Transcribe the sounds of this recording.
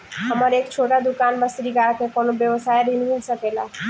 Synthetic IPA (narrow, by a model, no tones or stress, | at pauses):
ɦəməɾeːkt͡ʃʰoʈad̪ʊkaːnbəsɾiɡaːɽkekonobjəʋsaːjɾinmilsəkela